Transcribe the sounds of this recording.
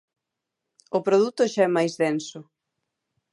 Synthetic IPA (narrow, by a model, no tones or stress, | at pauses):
ʊpɾoð̞ut̪ʊʃaɛmajzðɛnsʊ